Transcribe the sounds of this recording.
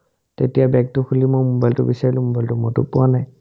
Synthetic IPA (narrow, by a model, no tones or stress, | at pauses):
tetijabɛk̚tʊkʰulimojmɔbajltʊ̰bisaɹilʊ̃mɔbajltʊmɔtʊ̰pʊwanaj